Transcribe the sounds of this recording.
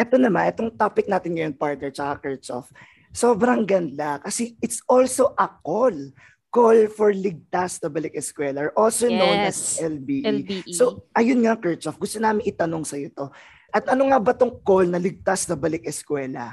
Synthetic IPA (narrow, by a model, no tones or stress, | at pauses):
ʔɛt̪o̞nɐmanʔɛt̪oŋt̪apɪk̚naːt̪ɪnŋɐjoŋpaɹt̪nɛɹt͡ʃɐkakɛɹt͡ʃo̰f | soːbɾɐŋɡɐnd̪akɐsɛɪt̪sʔolsoʔɐkol | kolfɔɹlɪɡ̚t̪asnɐbɐlɪk̚ɛskwɛːlɐʔolsononɐsʔɛlbiːʔsoʔɐjʊnŋakɛɹt͡ʃofɡʊst̪onaːmɪŋʔɪt̪ɐno̞ŋsɐjot̪o̞ | ʔɐt̪̚ʔɐnoŋɐbɐt̪oŋkolnɐlɪɡ̚t̪asnɐbɐlɪkɛskwɛːlɐ̰